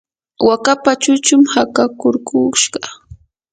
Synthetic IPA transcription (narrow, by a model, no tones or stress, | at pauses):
wakapat͡ʃʊt͡ʃʊmhakakʊɾkuʃɢɑ